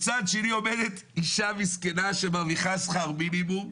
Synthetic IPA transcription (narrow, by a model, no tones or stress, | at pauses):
t͡sad̪ʃenio̞med̪et̪ | iʃamiskenaʃemaviχasχaʁminimum